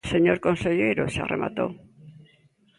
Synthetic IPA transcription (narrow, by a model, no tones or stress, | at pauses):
seɲoɾkõnseʎejɾosa̰rḛma̰t̪o̰